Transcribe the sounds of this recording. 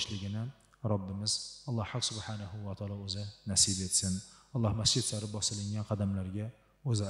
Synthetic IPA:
ʃlɪɡʲɪnɪ | ɾɒbːɪmɪzɒlˠːɑhːaqsʊbħanahʊwat̪ʰɑːlˠɑɵzɪnasibet̪sɪnɒlˠːɑhmasd͡ʒɪd̪saɾɪp̚bɒsɪlɪŋɡʲanqʰɑd̪amlaɾɡʲa | ɵzɪ

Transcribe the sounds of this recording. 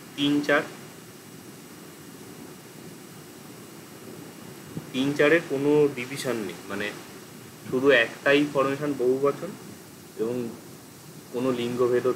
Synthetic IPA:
t̪int͡ɕaɾ | t̪int͡ɕaɾeɾkonoɖibʱiʃonːḛjmane | ʃuɾuɛkʈajfɔɾmeʃonboɦubat͡ɕʰon | eboŋ | konoliŋɡobʱed̪o

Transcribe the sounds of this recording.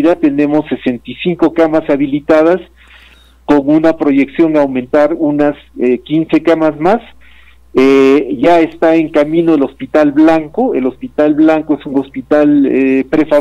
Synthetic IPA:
ðat̪ene̞mo̞sːese̞nt̪isiŋko̞kamasaβilit̪að̞as | ko̞ŋunapɾo̞ʝe̞ksjo̞ŋawment̪aɾunasekinse̞kamazmas | eʝaest̪aeŋkamĩno̞elo̞spit̪alβlaŋkoe̞lo̞spit̪alβlaŋkoesuŋospit̪alepɾefa

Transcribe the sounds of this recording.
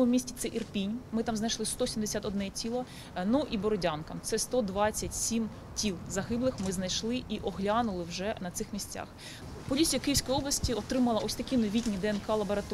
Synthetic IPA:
mʊmʲisʲtʲit̪sɛʔirpʲinʲmɪt̪ɑmznɐjʃlˠɪst̪ɔsʲimd̪esʲat̪ɔd̪nɛtʲilˠɔ | nuʔibɔɾɔdʲankɐt̪sɛst̪ɔd̪ʋɑt͡sʲːɐtʲsʲim | tʲilˠzɐɦɪblˠɪxmɪznɐjʃlˠɪʔiʔɔɦlʲanʊlˠɪwʒɛnɐt̪sɪxmʲisʲt͡sʲa̰x | pɔlʲit͡sʲijɐkɪjwsʲkɔjiɔblˠɐsʲtʲiɔt̪ɾɪmɐlˠɐʔɔsʲt̪ɐkʲinɔʋʲitʲnʲid̪ɛenkɑlˠɐbɔɾɐt̪

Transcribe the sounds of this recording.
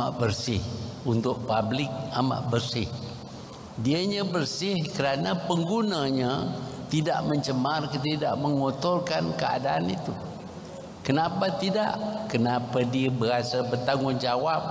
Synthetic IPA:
aʔbərsɪhunt̪ʊʔ̚pablɪk̚ama̰ʔbərsɪh | diəɲabərsɪhkəɾanapəŋɡunaɲat̪ida̰ʔməɲt͡ʃəmarkət̪ida̰ʔməŋot̪ɔrkankəa̰daːnit̪u | kənapat̪ida̰ʔkənapadiəbəɣasabərt̪aŋʊnd͡ʒawap̚

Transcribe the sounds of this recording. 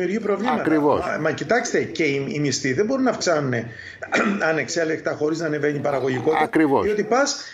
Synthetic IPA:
iuɾʝipɾo̞vlimɐɐtkɾivo̰smɐcit̪ɐkst̪e̞ce̞imist̪iðe̞bo̞ɾinɐfksɐnune | ɐne̞kse̞lekt̪ɐxo̞ɾiznɐːne̞ve̞ɲipɐɾɐɣo̞ʝiko̞t̪iɐɾivosðio̞t̪ipɐs

